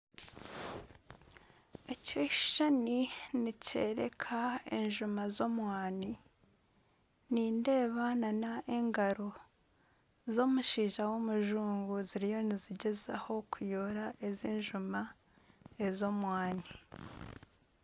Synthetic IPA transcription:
eco̞i̥ʃaninice̞̰ːɾe̞̰kʰaḛnʒumazo̞mwaːni | niːnde̞ːβananaʔe̞ŋɡaɾo̞ | zo̞muʃiːʒawomuʒuːŋɡuziɾijo̞niziɟe̞zaho̞kujoɾaʔeziːnʒuma | ezo̞mwaːni

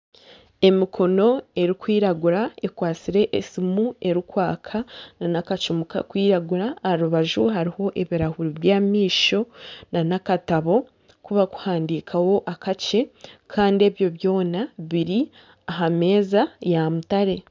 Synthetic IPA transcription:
e̞mikʰo̞no̞e̞ɾikwiːɾaɡuɾaekwaːt͡siɾe̞ʔːsimue̞ɾikwaːkʰananakat͡ʃumuka̰kwiːɾaɡuɾaɾuβaʒuɦaɾiho̞ʔe̞βiɾahuɾiβjaːmiːʃo̞nanakataβo̞ | kuβaku̥haːndikʰawo̞ʔakat͡ʃe̞kʰaːnde̞βjo̞βjo̞ːnaβiɾi | aɦame̞ːzajamutaɾe̞

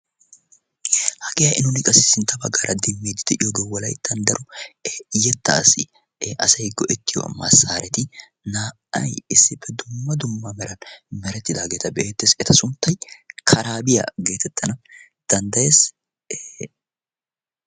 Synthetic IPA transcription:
hɐɡejɐʔɪnʊnɪkʼɐsɪ̥sɪnt̪ʰːɐbɐɡaːɾʔɐd̪ɪmːeːd̪ɪd̪ɛʔɪjoɡewɔlɐjd̪̥ɐnd̪ɐɾʔʊ | jɛt̪ːɐsɪ | ʔɐsɐjɡɔʔɛt̪ːɪjɔ̰mɐsaːɾʔɛt̪ɪ | naː | ɐ̰jɪsːɪbːɛd̪ʊmːɐd̪ʊmːɐmɛɾɐnmɛɾɛt̪ːɪd̪aːɡe̞ːt̪ɐbɛʔeːt̪ːesɛt̪ɐsʊnt̪ːɐjkʰɐɾaːbɪjɐ̰ɡe̞ːt̪ɛt̪ʰːɐnɐ | d̪̥ɐnd̪ɐjeːs

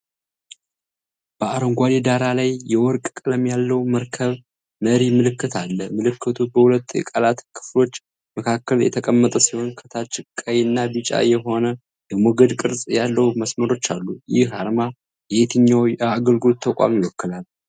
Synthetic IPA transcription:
b̥əaɾoŋɡʷaled̪aɾalajːɛwɔɾkʼkʼɨləmjalːəwməɾkʰəβ | məɾimɨlɨkːɨt̪ʰalːəmɨlɨkʰːɨt̪ʰubəhulət̪ːjɛ̰kʼəlat̪kʰɨ̥flo̞t͡ʃː | məkʰakːəljɛ̰t̪ʰəkʼəmːət̪ʼəsiho̞nkʰə̥t̪ʰat͡ʃɨkʼːajɨnːabɨt͡ʃʼa̰jɛɦo̞nə | jɛmɔɡəd̪kʼɨɾsʼjalːəwməsməɾo̞t͡ʃːa̰lːujɪhaɾma | jɛet̪ʰɨɲːawjaɡəlɡult̪ʰːəkʷʼa̰mjɪwɔkːɨlal

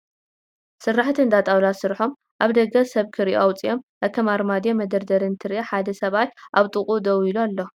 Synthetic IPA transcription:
sɨrːaħt̪ʰɨnd̪at̪ʼawlasɨɾħo̞m | ʔaβd̪ɐɡɐsɐβkʰɨɾiʔowt͡sʼijo̞mʔɐkʰɐmaɾmad̪ijomɐd̪ɐɾd̪ɐɾɨnt̪ʰɨɾiʔaħad̪ɐsɐβat̪ʔaβt̪ʼɨχʼud̪ɐwilualːo

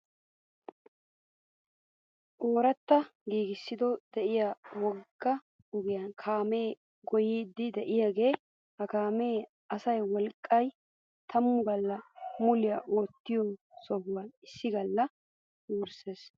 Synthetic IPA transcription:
ʔo̞ːɾɐt̪ːɐɡiːɡɪsːɪd̪ɔd̪̥ɛʔɪjaːwɔɡːɐ | ɔɡɪjɐnkʰaːmeː | ɡɔjiːd̪ːɪd̪ɛʔɪjaːɡe̞ː | hɐkaːme̞ː | ɐsɐjwɔlkʼːɐj | t̪ʰɐmːʊɡɐlːɐmʊlɪjaʔoːt̪ːɪjɔsɔbʊwɐnɪsːɪɡɐlːɐ | wːɾse̞ːs

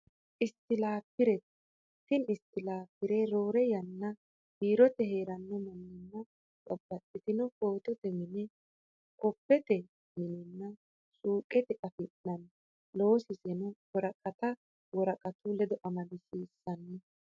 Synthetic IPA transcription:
ʔɪst̪ːɪlaːpːɪɾɛt̪ | t̪ːɪnɪst̪ːɪlaːpːɪɾɛɾo̞ːɾɛjɐnːɐ | hiːɾɔt̪ɛheːɾɐnːɔmɐnːɪnːɐ | t͡sʼɔbːɐt̪ʼːɪt̪ɪnɔko̞ːt̪ɔt̪ɛmɪnɛ | kɔpːɛt̪ɛ | mɪnɪnːɐ | suːkʼɛt̪ɛʔɐfɪnːɐn | lo̞ːsɪsɛnɔwɔɾɐkʼɐt̪ɐ | wɔɾɐkʼɐt̪ʊlɛd̪ɔʔɐmɐlɪsiːsːɐnːɛ

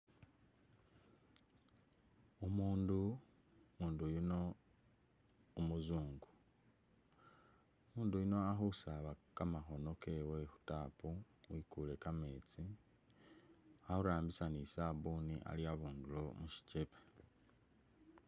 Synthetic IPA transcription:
umuːndu | muːndujuno | muzuːŋɡu | muːndujino̞axusaβakamaxo̞no̞kewexu̥taːpu | wikule̞kameːt͡si | ahuɾaːmbisanisaβuniʔa̰liaβuːndulo̞muʃi̥cepe

